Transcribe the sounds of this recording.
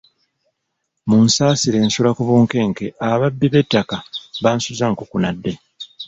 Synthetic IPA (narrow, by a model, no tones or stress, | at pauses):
munsaːsiɾe̞ːnsulakuβuːŋke̞ːŋke̞aβabːiβe̞tːakaβaːnsuzaŋkukunadːe̞